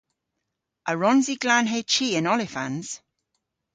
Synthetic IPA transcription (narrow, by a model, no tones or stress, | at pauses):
ʔəɹɔnziɡlanɦeːt͡ʃʰiːɪ̃nɔlɪfã̰nz̥